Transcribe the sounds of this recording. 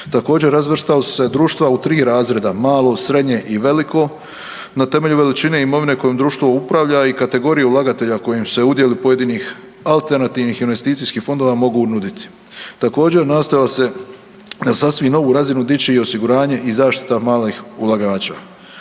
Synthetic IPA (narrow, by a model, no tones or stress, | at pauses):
t̪ako̞ːd͡ʑeɾːazʋr̩st̪alsu̥se̞d̪ɾuːʃt̪ʋaut̪ɾiːɾaːzɾe̞d̪amaːlˠo̞sɾe̞d̪ɲe̞ʔiʋe̞likʰo̞ | nat̪e̞me̞ʎuʋe̞lit͡ʃine̞imo̞ʋine̞ko̞jimd̪ɾuːʃt̪ʋoupɾaʋʎaikat̪e̞ɡo̞ɾijeulˠaɡat̪e̞ʎako̞jimsse̞ud̪je̞lipo̞je̞d̪iːnix | alˠt̪e̞ɾnat̪iːʋnixinʋe̞st̪iːt̪sijskiːxfo̞nd̪o̞ːʋamo̞ɡunud̪it̪i̥ | t̪ako̞ːd͡ʑe̞ɾnast̪ojilase̞ | nasasʋimno̞ʋuɾazinud̪it͡ɕeiosiɡuɾaːɲe̞ʔizaːʃt̪i̥t̪amaːlixulˠaɡaːt͡ɕa̰ː